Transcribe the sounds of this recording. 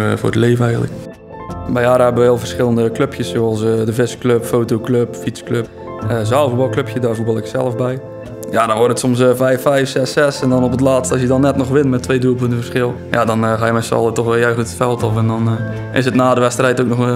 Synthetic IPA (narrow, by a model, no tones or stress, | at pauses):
vʊ̰rdəleːvəɛjɣəntlək | bɛjaːɾəɛbəʋəʋɛlˠvərsχɪlˠəndəkløpʰjəssoɑlˠsədəvɪskløpfoːtowkløpfiskløp̚ | əzalˠəfubɔlˠkløpjədaːvubɑlˠɪksɛ̰lˠəfbɛj | jadɔnʋɔrtətsɔmsfɛjfːɛjfsɛsɛsɛndɔnopətlaːtstəɔsjədɔnːɛtnɔxʋɪnmɛtʰːʋejduəpøntəfərsxɪlˠ | jadɔnχaːjəmɛnsɑ̰lˠətɔxʋɛlˠjœɥχətətfɛlˠtɔfɛndɔn | ɪ̰sətnaːdəʋɛstrɛjtowk̚nɔx